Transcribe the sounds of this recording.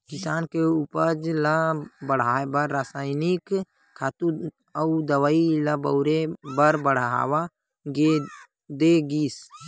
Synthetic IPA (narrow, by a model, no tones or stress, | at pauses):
kɪsaːnkeuːpəɾd͡ʒlabəɽ̤aːbəɾːaːsaːɪnɪk | kʰːaːt̪u | əd̪əwaːiləbəʊɾebəɾbəɽ̤a̰ːwa | ɡe | d̪eɡiːs